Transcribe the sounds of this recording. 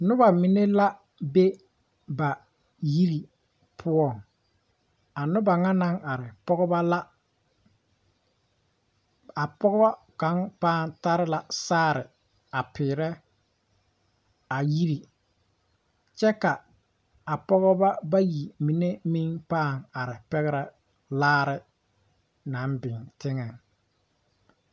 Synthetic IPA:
nʊ˦ba˨mi˨ne˦la˦ | be˦ | ba˨ | ji˦ɾi˨ | pʰʊ˦ɔ˦˨ŋ | a˨nʊ˦ba˨ŋa˦na˦ŋa˨ɾɪ˨pɔ˦ɡɔ˦ba˦la˦ | a˨pɔ˦ɡɔ˦ba˦ | ka˨˦ŋpaː˦˨nta˦ɾɪ˦la˨saː˦˨ɾɪ˨ | a˨pɪː˨ɾɛ˦ | a˨ji˦ɾi˨ | t͡ʃɛ˦ka˨ | a˨pɔ˦ɣɔ˦ba˦ba˦ji˨mi˨ne˦mi˦ŋpaː˦˨ŋa˨ɾɪ˨pɛ˦ɣɛ˦ɾɛ˦ | laː˦ɾɪ˦ | na˨˦mbɪ˨ŋtɪ˦ŋɛ˨ŋ

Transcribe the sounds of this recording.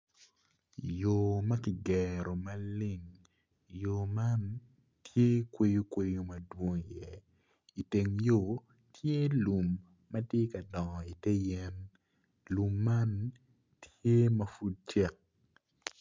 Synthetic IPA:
jo˨mɐ˦kɪ˨ɡɛ˨ɾo˨mɐ˦lɪ˦ŋ | jo˨ma˦n | tʰje˦kwe˦jo˦kwe˦jo˦mɐ˨dwo˦ŋi˨jɛ˦ | i˨te˨ŋjo˨ | tʰje˦lu˨mː | ɐ˦tje˦kɐ˨dɔ˨ŋ˨i˨tɛ˦jɛ˦n | lu˨mːa˦n | tje˦mɐ˦fu˦d̚t͡ʃɛ˦k̚

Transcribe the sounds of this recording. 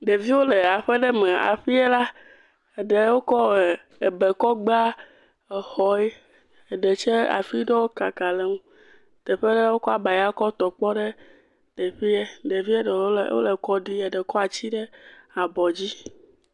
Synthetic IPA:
ɖe˨vi˦wo˦le˨a˨ɸɛ˦ɖɛ˦mɛ̃˨a̰˨ɸi˦ɛ˦la˦ | e˨ɖe˨wo˦kɔ˦˨ | e˨be˨kɔ˦ɡ͡ba˦ | e˨xɔ˨ɛ˦ | e˨ɖe˨t͡ʃe˦a̰˨fi˦ɖɔ˦wo˦ka˨ka˨le˦ŋũ˦ | t̪ɛ˨ɸɛ˦ɖɛ˦wo˦kɔ˦a˨ba˨ja˦kɔ˦t̪ɔ˨k͡pɔ˦ɖe˦ | t̪e˨ɸi˦e˦ɖe˨vi˦e˦ɖɔ˨lo˦lḛ˨wo̰˦le˨kɔ˦ɖi˦ɛ˨ɖɛ˨kɔ˦a˨t͡ɕi˦ɖɛ˦a˨bɔ˨d͡ʑi˦

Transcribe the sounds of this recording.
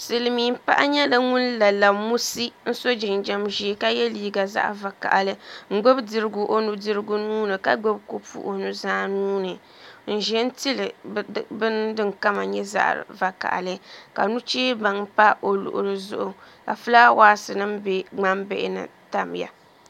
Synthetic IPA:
sɨ˨lɨ˨miː˨˦m̩˦pa̰˦ʔa˦ɲɛ˦la˦ŋʊ˦nla˨la˨mu˦si˦n̩˦so˦d͡ʒɪ˨nd͡ʒɛ˦mʒi˨˦ka˦jɛ˦liː˦ɡa˨za̰˦ʔva˨ka̰˨ʔlɨ˦ŋ̩˦˨ɡ͡bo˦bdɨ˨ɾɨ˦ɡʊ˨ʔo˦nu˦dɨ˦ɾɨ˦ɡu˦nuː˦nɨ˨ka̰˦ɡ͡bo˦bko˦pṵ˦˨ʔo˨nu˦zaː˦nuː˦nɨ˨ | n̩˨ʒɛ˦n̩˦ti˦lɨ˨bɨ˦ndɨ˦ŋka˦ma̰˨ɲɛ˦za̰˦ʔva˨ka̰˨ʔa̰˨lɨ˦ka˨nu˦t͡ʃeː˦ba˨ŋpa˦o˨lʊ̰˨ʔʊ˨ɾɨ˨zʊ̰˦ʔʊ˨ka˨fɨ˦la˦waː˦sɨ˨nɨ˦mbe˦ŋ͡ma˦mbḛ˦ʔɪ̰˦nɨ̰˨ta˦mja̰˨

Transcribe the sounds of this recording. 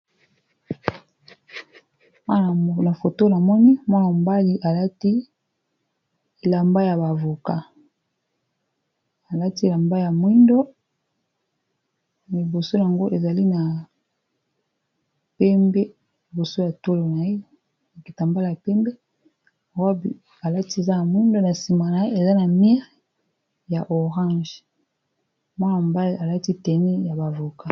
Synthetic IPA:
ma˦˨na˨fo˨to˦na˨mɔ˦ni˦mɔ˦na˨m˨ba˦li˦ʔa˨la˦ti˦ | e˨la˨mba˦ja˨βa˨vu˨ka˦ | a˨la˦ti˦e˨a˨mba˦ja˨mwi˦ndo˦ | li˨bo˨so˦ja˨ŋɡo˦ʔe˨za˨li˦na˨ | pɛ˦mbe˦ | li˨bo˨so˦ja˨to˦lo˨na˨e˦ | a˨ki˨ta˨mba˦la˨a˨pɛ˦mbe˦˨˦ | b | a˨la˦ti˦e˨za˦na˨mwi˦ndo˦na˨si˨ma˨na˨e˦e˨za˦na˨mi˦ʁ | ja˨ʔo˨ʁã˦ʒ | mwa˦n˨a˨mba˦a˨la˦ti˦tɛ˨nɛ˦ja˨ba˨vo˨ka˦˨

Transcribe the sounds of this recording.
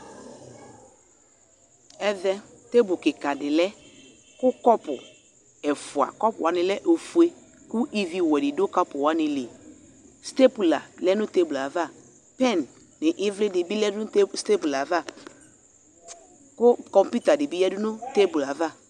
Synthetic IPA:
ɛ˦ðɛ˦ | te˦bʊ˨kɪ˨ka˨dɪ˨lɛ˦ | kʊ˦kɔ˦pʊ̰˨ | ɛ˨fʊ˨a̰˨kɔ˦pʊ˨wa˨nɪ˨lɛ˦ʔo˨fu˨e˦ | kʊ˦ʔi˦vi˦wɛ˨dɪ˨dʊ˦ka˦pʊ˨wa˨˦nɪ̃˨le˨ | ste˦pu˨la˨lɛ˦nʊ̃˦te˦bla˨va˦˨ | pɛ˦˨nː | ɪ˨ʔɪ˦vlɪ˦dɪ˨bi˦lɛ˦dʊ˦ste˦pu˨la˨va˦˨ | kʊ˦kɔ̃˨mpu˦ta˨dɪ˨bi˦jɛ˦dʊ˦nʊ˦te˦bla˨va˦˨

